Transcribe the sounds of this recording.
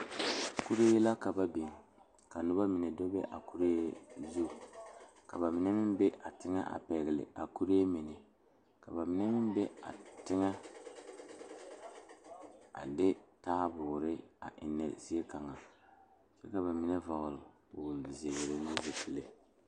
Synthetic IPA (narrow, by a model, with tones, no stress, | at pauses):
ku˦ɾe˦la˦ka˨ba˦bi˨ŋ | ka˨nʊ˦ba˦mɪ˨nɛ˨do˦bɛ˦ʔa˨ku˦ɾe˦zu˦˨ | ka̰˨βa˨mɪ˨nɛ˦mɪ˦n˦bɛ˦ʔa˨tɪ˦ŋɛ̰˦ʔa̰˨pɛ˨ɣɪ˨lɪ̰˨ʔa˨ku˦ɾe˦mɪ˨nɪ˨ | ka˨βa˨mɪ˨nɛ˦mɪ˦n˦bɛ˦a̰˨tɪ˦ŋɛ˦ | a̰˨dɪ˦taː˦bʊ˨ɾɪ˦a̰˨ʔɪ̰˨nːɛ̰˨zi˦e˦ka˨ŋa˨ | sɛ˦ka˨βa˨mɪ˨nɛ˦va˨ɣʊ˨lʊ˨ | bʊ˨zi˨e˨ɡɛ˨ɾɪ˨nɪ˦ze˨si˨le˨